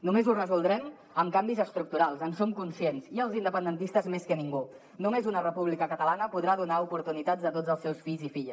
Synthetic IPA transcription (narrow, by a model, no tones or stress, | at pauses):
numezurəzulˠd̪ɾɛm | əmkambizəst̪ɾuk̚t̪uɾalˠzənsomkunsienziəlˠzind̪əpənd̪ənt̪ist̪əzmeskəniŋɡu | numezunərəpuβ̞likəkət̪əlanəpuðɾaðunaupuɾt̪unit̪ad͡zət̪od͡zəlˠsɛwsfiʎzifiʎ